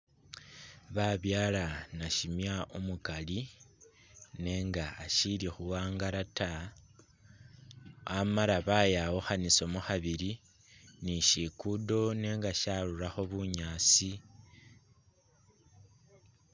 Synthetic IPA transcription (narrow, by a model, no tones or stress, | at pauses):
βaβjaːlanaʃimjaomukali | ne̞ːŋɡaːʃilixuwaːŋɡaɾata | amalaβajawoxaniso̞muxaβiɾi | niʃikudo̞ne̞ːŋɡaʃaɾuɾaxo̞βuɲaːt͡si